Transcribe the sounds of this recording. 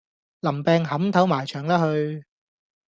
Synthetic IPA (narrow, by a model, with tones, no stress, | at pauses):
lɐ˨˩mpɛː˧ŋhɐ˨˥mt̪ʰɐ˨˥wmaː˨˩jt͡ʃʰœː˨˩ŋt̪ɐ˥hɵ˧ɥ